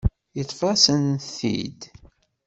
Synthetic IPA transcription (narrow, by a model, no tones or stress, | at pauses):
jət̪ˤːfɑsənθḭd̪